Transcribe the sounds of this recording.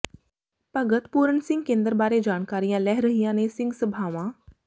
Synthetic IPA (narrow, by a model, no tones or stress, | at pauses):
pəɡət̪puːɾənsɪ̃ŋɡ̚kẽːnd̪əɾbaːɾed͡ʒaːnkaːɾijãːlɛːɦɾəɦijãːneːsɪ̃ŋɡsəbʱaːʋãː